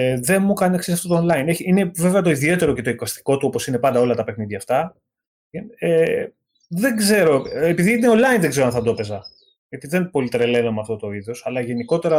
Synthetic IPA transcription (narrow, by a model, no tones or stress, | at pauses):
ðe̞nmukɐneksisɐft̪ot̪oːnlɐineçiine̞ve̞ve̞ɐt̪o̞iðie̞t̪e̞ɾo̞ce̞t̪o̞ikɐst̪i̥ko̞t̪uopo̞sinepɐnd̪ɐo̞lɐt̪ɐpexniðʝɐːft̪ɐ | e | ðeɡze̞ɾo̞epiðiineonlɐinðeɡze̞ɾoɐnθɐd̪o̞pe̞zɐ | ʝɐt̪iðe̞npo̞lit̪ɾe̞le̞nomɐft̪o̞t̪o̞iðo̞sɐlɐʝe̞niko̞t̪e̞ɾɐ